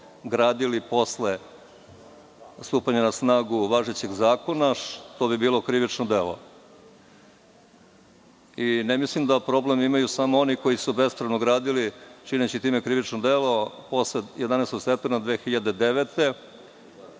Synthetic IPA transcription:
ɡɾaːd̪ilipo̞sle | st̪uːpaɲanasnaːɡuʋaʒet͡ɕeɡzaːko̞naʂt̪obibiːlo̞kɾiʋit͡ʂnod̪e̞lo̞̰ | inemislimd̪apɾo̞blemimajusamoo̞niko̞jisube̞spɾaʋnoɡɾaːd̪ilit͡ʃinet͡ɕit̪ime̞kɾiʋit͡ʃnod̪elo̞po̞slejed̪aneːst̪oɡst̪e̞p̚t̪emɾad̪ʋeːxiʎad̪e̞d̪eʋet̪e̞

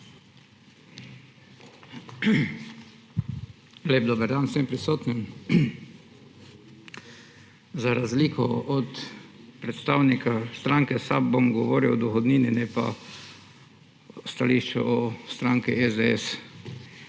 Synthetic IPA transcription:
leːb̚d̪oːbəɾd̪ansɛmpɾisoːt̪nim | zaɾazliːkʰɔɔt̪pɾɛt̪st̪awnikast̪ɾaŋkɛsabomɡɔʋoːɾiwd̪ɔxɔd̪niːninɛpa̰ | st̪aliʃt͡ʃɛ̰ʔɔst̪ɾaŋkiʔɛzd̪ɛɛ̰s

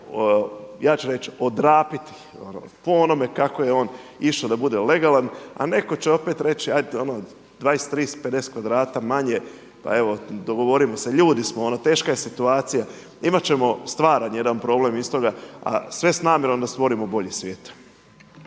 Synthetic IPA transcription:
jaːt͡ʃuɾe̞t͡ʃo̞d̪ɾaːpit̪i̥ | o̰no̰poono̞me̞kako̞jeo̞ːniʃod̪abud̪e̞le̞ɡalˠana̰ne̞ko̞t͡ɕeo̞pe̞t̪ɾe̞t͡ɕiajd̪o̞no | d̪̥ʋaːjest̪ɾiːsped̪e̞se̥kʋad̪ɾaːt̪amaɲe̞ | pa̰e̞ʋo̞d̪o̞ɡoʋo̞ɾimo̞seʎuːd̪ismoonot̪e̞ːʃkaje̞sit̪uaːt̪sija | imat͡ɕe̞mo̞st̪ʋaːɾanje̞d̪anpɾo̞ːble̞mist̪o̞ɡaa̰sʋe̞snaːmje̞ɾo̞md̪ast̪ʋo̞ɾimo̞bo̞ʎesʋʲjeːt̪

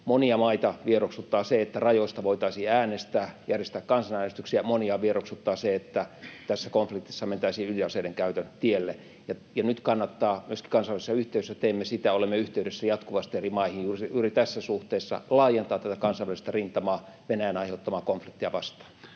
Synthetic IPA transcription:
moniɑmɑit̪ɑʋieroksut̪ːɑːseet̪ːærɑjoist̪ɑʋoit̪ɑisiːæːnest̪æːjærjest̪æːkkɑnsɑnæːnest̪y̥ksiæmoniɑʋieroksut̪ːɑːseet̪ːæt̪æsːækonflik̚t̪i̥sːɑment̪æisiːyliɑseideŋkæyt̪ønt̪ielːe | jɑjɑnyt̪kɑnːɑt̪ːɑːmyøski̥kɑnsɑʋælsisːɑyht̪eˑyesːæt̪eːmːesit̪æolemːeyht̪eyɾesːæjɑt̪kuʋɑst̪ierimɑihijuːrjuːrit̪æsːæsuht̪eːsːɑ̰lɑːjent̪ɑːt̪t̪æt̪ækɑnsɑʋʋælist̪ærint̪ɑmɑː | ʋenæjænɑiheut̪ːɑmɑːkonflikt̪iɑʋɑst̪ɑ̥ː

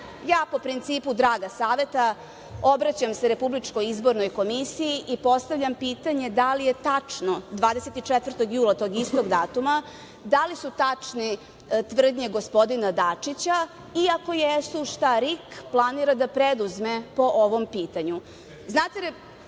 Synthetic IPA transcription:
jaːpo̞pɾint̪siːpud̪ɾaːɡasaːʋe̞t̪a | o̞bɾat͡ɕamseɾe̞publit͡ʂko̞jizbo̞ɾnojko̞misijiʔipo̞st̪avʎʲampiːt̪aɲe̞d̪alije̞t̪at͡ʂno̞d̪ʋaːd̪eset̪it͡ʂet̪ʋɾr̩t̪o̞ɡjuːlˠat̪o̞ːɡist̪o̞ɡd̪aːt̪uma | d̪alisut̪at͡ʂni | t̪ʋr̩d̪ɲeɡo̞spo̞d̪inad̪at͡ʂit͡ɕa | iako̞jesuʂt̪aɾikplˠaniɾad̪apɾed̪uzme̞po̞ʔoʋo̞mpiːt̪aɲu | znaːt̪eɾ

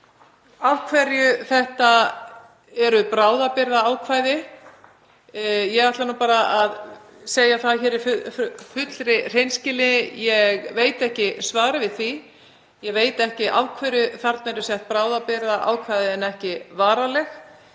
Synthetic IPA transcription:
avkʰvɛɾjʏθɛht̪a | ɛɾʏpɾaːwðapɪɾðaaːwkʰvaːjðɪ | jɛɣaht̪lanuːpaːɾaað | seːjaθaðçɛːɾɪffʏt̪lɾɪr̥ejnscɪlɪjɛɣveːjt̪ɛhcɪsvaːɾɪvɪðθi | jɛɣveːjt̪ɛhcɪʔa̰vkʰvɛɾjʏθaɾt̪nɛɾʏsɛht̪̚pɾaːwðapɪɾðaʔa̰ːwkʰvajðɪɛnɛhcɪvaːɾalɛx

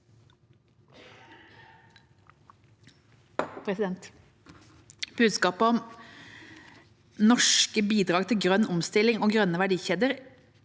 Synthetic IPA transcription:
pʰɾɛsɪd̪ɛnt̪ | b̥ʉːd̪skɑːpəɔm | nɔʃkəbiːd̪ʁɑːɡt̪ʰɪlɡʁœnʊmst̪ɪlɪŋoːɡʁœnəʋæɖiːçeːd̪əʁ

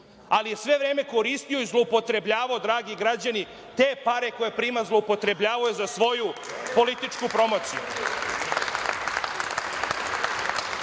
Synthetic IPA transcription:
alije̞sʋe̞ʋɾeːme̞ko̞ɾist̪io̞izlˠoupo̞t̪ɾe̞bʎaːʋaod̪ɾaːɡiɡɾad͡ʑani | t̪e̞ːpaɾe̞ko̞jepɾiːmazlˠoupo̞t̪ɾe̞bʎaːʋajuzasʋo̞jupo̞lit̪it͡ʂkupɾo̞mo̞ːt̪sijṵ

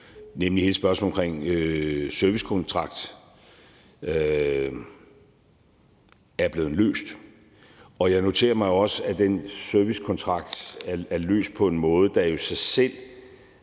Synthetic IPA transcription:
nemlihe̝ːləsb̥ɶɐsmɔ̽lɒmkʰʁeŋ̰øsøɐʋiskʰɔnt͡sʰʁɑ̈ɡ̥d̥ | æɐb̥le̝ːðˠlø̰ːsd̥ | ɒ̽jɑ̈ɪno̝t͡sʰe̝̰ːɐmɑ̈ɪjo̝ɒ̽səæd̥ensøɐʋiskʰɒnt͡sʰʁɑ̈ɡ̥d̥ææɐlø̰ːsd̥̚pʰɒ̽e̝nmɔ̽ːð̞̩ˠd̥ɑ̈jo̝sɑ̈ɪsel̰

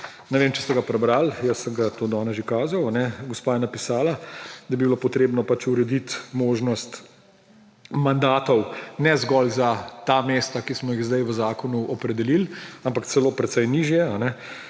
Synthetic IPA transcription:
nɛʋeːmt͡ʃɛ̥st̪ɛɡapɾɛbɾaljəsəŋɡat̪oːd̪ɔːnɛʒikaːzawanɛɡɔspaːjɛnapisaːlad̪abibilopɔt̪ɾeːbnɔpat͡ʃuɾɛd̪it̪moːʒnɔst̪ | mand̪aːt̪ɔwnɛzɡɔlzat̪ameːst̪akismɔjiɣzd̪ajʋəzaːkɔnuʔɔpɾɛd̪ɛlilampakt̪sɛloːpɾɛt̪sɛjniːʒjɛanɛ

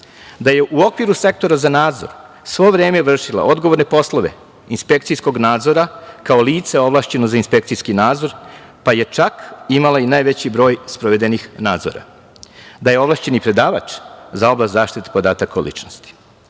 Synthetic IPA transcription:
d̪aje̞ʔuo̞kʋiɾuse̞k̚t̪o̞ɾazanaːd̪zo̞̰ɾ | sʋo̞ʋɾeːmeʋr̩ʂila̰ʔod̪ɡoʋo̞ɾne̞po̞sloʋe̞̰ | inspek̚t̪sijsko̞ɡnaːd̪zo̞ɾakao̞liːt̪se̞o̞ʋlˠaːʃt͡ɕe̞nozainspek̚t̪ijskinaːd̪zo̞ɾpaje̞t͡ʃakimalainajʋet͡ɕibɾo̞ːjspɾoʋe̞d̪e̞nixnaːd̪zo̰ɾa̰ | d̪aje̞o̞ʋlˠaʃt͡ɕe̞nipɾe̞d̪aːʋat͡ʃzao̞blast̪zaːʃt̪it̪e̥po̞d̪aːt̪akolḭt͡ʃnost̪i̥

